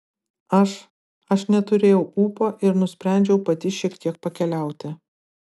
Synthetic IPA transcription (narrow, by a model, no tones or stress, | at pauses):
ɐʃ | ɐʃnʲɛt̪ʊɾʲeːjɛʊuːpoːʔɪɾnʊsʲpʲɾʲæˑnʲd͡ʒʲɛʊpɐt̪ʲɪʃʲiɛkt̪ʲiɛk̚pɐkʲɛlʲæˑʊt̪ʲɪ